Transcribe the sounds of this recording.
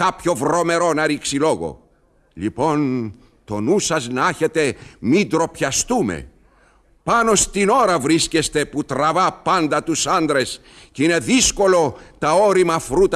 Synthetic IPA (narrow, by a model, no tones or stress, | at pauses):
kɐpço̞vɾo̞me̞ɾo̞nɐɾiksilo̞ɣo̞̰ | ʎḭpo̞n | t̪o̞nusɐznɐɐçe̞t̪e̞mid̪ɾo̞pçɐst̪umḛ | pɐno̞st̪ino̞ɾɐvɾisce̞st̪e̞put̪ɾɐvɐpɐnd̪ɐt̪usɐnd̪ɾe̞s | ceine̞ðisko̞lo̞t̪ɐoɾimɐfɾut̪